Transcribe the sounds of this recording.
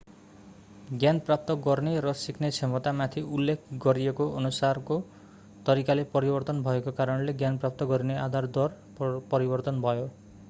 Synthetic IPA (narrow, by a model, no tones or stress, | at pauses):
ɡjanprap̚t̪ʌɡʌrneɾʌsikʰnet͡sʰemʌt̪amat̪ʰiulːek̚ʰɡʌɾiekoʌnusarko | t̪ʌɾikalepʌɾibʌrt̪ʌnbʱʌekokaɾʌnleɡjanprap̚t̪ʌɡʌɾinead̪ʱard̪ʌr | pʌɾibʌrt̪ʌnbʱʌjo